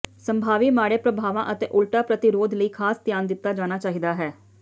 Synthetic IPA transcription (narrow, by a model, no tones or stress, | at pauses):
səmbʱaːʋiːmaːɽeːpɾəbʱaːʋãːʔət̪eːʔʊlʈaːpɾət̪ɪɾoːd̪ləiːkʰaːst̪jaːnd̪ɪt̪ːaːd͡ʒaːñaːt͡ʃaːɦid̪aːɦɛː